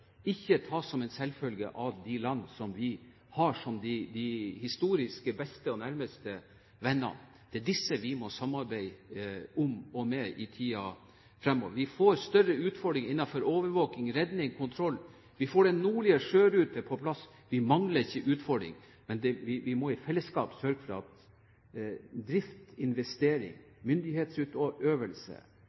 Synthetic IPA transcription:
ɪçːət̪ʰɑːsɔmɛnsɛlːfœlɡə̰ʔɑʋd̪ɪlɑnːsɔmʋɪ | hɑːʂɔmd̪ɪd̪ɪhɪst̪uːɾɪskəbɛst̪əɔnæɾməst̪ə | ʋɛnːɑ̰n | d̪̥ɛd̪ɪsːəʋɪmɔsɑmːɑɾbæɪ | ʊmɔmɛʔɪt̪ʰiːɑ | fɾɛmːɔ̰ʋɾʋɪfoːɾst̪œrəʉːt̪fɔɖɾɪŋɪnːɑfɔɾoːʋəɾʋoːkɪŋɾɛd̪nɪŋkʰʊnt̪ʰɾɔlː | ʋɪfoːɖɛnnuːɭɪəʂøːɾʉːt̪əpʰɔpʰlɑs | ʋɪmɑŋləɾɪçːəʔʉːt̪fɔɖɾɪ̰ŋ | mɛnd̪ɛʋɪʋɪmɔɪfɛlːəskɑ̰ːpsœɾɡəfɾɑ̰ɑt̪ | d̪ɾɪft̪ɪnʋɛst̪eːɾɪ̰ŋ | mʏnd̪ɪheːt̪sʉːt̪ɔʔøːʋəlsə̰

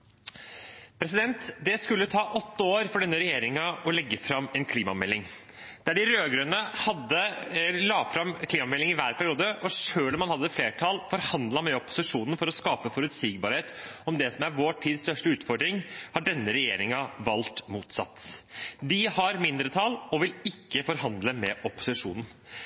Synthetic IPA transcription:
pʰɾɛsɪd̪ɛnt̪d̪ɛskʉlːət̪ʰɑːʔɔt̪ːəoːɾfɔɖɛnːəɾɛjeːɾɪŋɑɔlɛɡːəfɾɑmːɛnkʰliːmɑmɛlːɪŋ | d̪̥æɖɪɾøːɡɾʉnəhɑd̪ːəlɑːfɾɑmkʰliːmɑmɛlːɪŋɪʋæːɾpʰæɾɪuːd̪əʔɔʂøːlɔmhɑnhɑd̪ːəfleːʈʰɑːlfɔɾhɑnd̪lɑmɛɔpʊ̥sɪʂuːnənfɔɾɔskɑːpəfɔɾʉt̪siːɡ̚bɑːɾheːt̪ɔmd̪ɛsɔmæɾʋoːʈʰiːd̪st̪œʂʈəʉːt̪fɔɾɖɾɪŋhɑɖɛnːəɾɛjeːɾɪŋɑʋɑlt̪muːt̪sɑ̰t̪ːd̪ɪhɑɾmɪnd̪ɾət̪ʰɑlɔʋɪlɪkːəfɔɾhɑnd̪ləmɛʔɔpʊ̥sɪʂṵːnən̩

